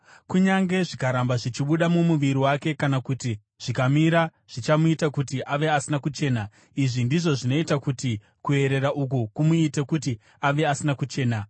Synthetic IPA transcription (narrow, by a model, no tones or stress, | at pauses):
kuɲaŋɡe̞ʐikaɾambaʐit͡ʃiɓuɗamumuʋiɾiwake̞kanakuti | ʐ̥ikamiɾa | ʐ̥it͡ʃamuitakutiʔaʋe̞asinakut͡ʃe̞ːna | iʐindiʐo̞ʐino̞itakuti | kue̞ɾe̞ɾaʔuk̬ukumuitekuti | aʋe̞asinakut͡ʃe̞ːna